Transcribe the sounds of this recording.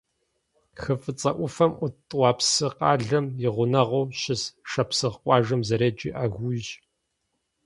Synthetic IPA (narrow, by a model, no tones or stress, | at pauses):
xɨfʼɨt͡sʼɐʔʷʊfɐmʔʊtʼwʷɑːpsɨqɑːɮɐmjɪʁʷʊnɐʁʷowɕɪsʂɐpsɨʁqʷʼɑːʒɐmzɐɾeːd͡ʒʼḭːʔaɣʷuʒ